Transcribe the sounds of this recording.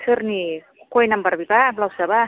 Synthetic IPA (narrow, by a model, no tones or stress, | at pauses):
sʰɯrni | kojnambarbipablawsaba